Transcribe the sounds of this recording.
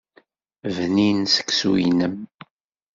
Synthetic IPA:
vninsə̥kːsuwḭnəm

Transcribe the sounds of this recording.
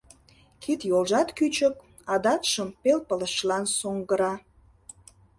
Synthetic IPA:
kʰit̪jolʒɑt̪kyt͡ɕək | ɑd̪ɑt̪ʃəmpelpələʃlɑnsoŋɡəɾɑ

